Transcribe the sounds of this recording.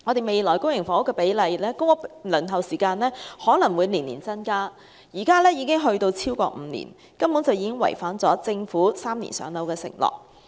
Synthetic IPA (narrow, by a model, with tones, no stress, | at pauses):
ŋɔ˨˧t̪e˨jme˨jlɔː˨˩jkʊ˥ŋjɪ˨˩ŋfɔː˨˧˥ʊ˥kːɛː˧pe˨˥jlɐ˨˧jlɛː˥kʊ˥ŋɔ˥lɵ˨˩nɦɐ˨wsiː˨˩kaː˧nɛː˥hɔː˨˥lɐ˨˩ŋwuː˨˧jniː˨˩niː˨˩nt͡sɐ˥nkaː˥ | jiː˨˩kaː˥lɛː˥jiː˨˧kɪ˥ŋɦɵ˧ɥt̪o˧wt͡sʰiː˥wkɔ̰ː˧m̩ː˨˧nḭː˨˩n | kɐ˥mpu˨˥ŋt͡sɐ˨wjiː˨˥kɪ˥ŋwɐ̰˨˩jfaː˨˥nt͡sɔː˨˥t͡sɪ˧ŋfuː˨˥saː˥mnḭ˨˩nsœ̰ː˨˧ŋlɐ˨˧wkɛː˧sɪ̰˨˩ŋlɔ̰ː˨k̚